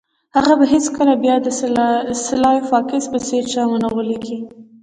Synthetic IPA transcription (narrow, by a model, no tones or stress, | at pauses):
haɣabaɦet͡skəlabjɑd̪əsɪlɑjofɑkɪsbəseɾt͡ʃamanawəleɡi